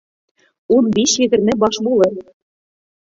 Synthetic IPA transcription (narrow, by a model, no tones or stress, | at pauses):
unbiɕjɘ̆ɡ̪ɘ̆rmʲĕbɑʃbulˠɤ̆r